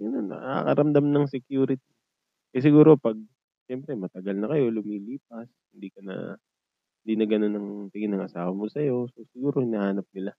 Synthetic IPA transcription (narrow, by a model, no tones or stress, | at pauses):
ɡɐnonːɐ̰a̰kɐ̰ɾɐmd̪ɐmnɐŋsɛkjuːɾɪt̪i | kɐs̬ɪɡuːɾo̞pɐɡ̚ | ʃɛmpɾɛmɐt̪ɐɡɐlnɐkɐjo̞lʊmiːliːp̚ɐshɪnd̪iːkɐnɐ̰ | hɪnd̪iːnɐɡɐno̞nɐŋt̪ɪɡɪnɐŋʔɐsaːwɐmosɐjo̞sosɪɡuːɾo̞hɪnahaːnɐp̚nɪla